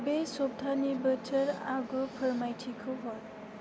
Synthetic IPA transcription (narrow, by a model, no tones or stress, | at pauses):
besɔp̚tʰanibətʰəɾaɡɯpʰəɾmajtʰikʰɯɦɔt